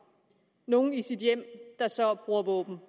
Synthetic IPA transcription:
no̝ːn̩isid̥jem̰d̥ɑ̈sɒb̥ʁuɐ̰ʋɔ̰ːb̥n̩

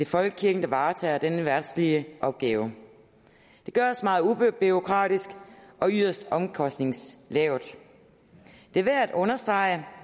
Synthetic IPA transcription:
d̥efɒ̽lɡ̥ə̥kʰiɐɡ̥n̩d̥ɑ̈ʋɑ̈ːt͡sʰɛ̰ːɐd̥enəʋæɐd̥sliəʔɒ̽b̥̚ɡ̥ɛːʊ | d̥e̝ɡ̥ɶɐɒsmɑ̈ːð̞̩ˠub̥io̝kʰʁɑ̰̈ːɾ̥isɡ̥ɒ̽yðˠɐsd̥ɒ̽mkʰɒ̽sd̥ne̝ŋslɛʊd̥ | d̥e̝æʋææd̥ɔ̽nɐsd̥ʁɑ̈ɪə

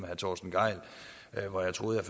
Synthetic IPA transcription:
mæhæt͡sʰɒ̰ːsn̩ɡ̥ɑ̈ɪ̰l | ʋɒjɑ̈ɪt͡sʰʁo̝ːð̩ˠjɑ̈ɪf

